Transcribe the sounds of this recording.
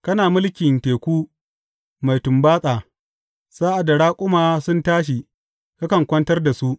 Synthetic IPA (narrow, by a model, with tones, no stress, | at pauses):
kɐ˦naː˨mʊ˦lkʲɪ˨nteː˨kʷuː˦ | ma˨jtʊ˨mbaː˦sʼaː˨ | saː˦ʔa˨da˨ɽaː˦kʷʼʊ˦maː˨sʊ˦ntaː˦ʃ̬i˨ | ka˦kɐ˨ŋkʷɐ˦ntɐ˦rda˨su˦ʔ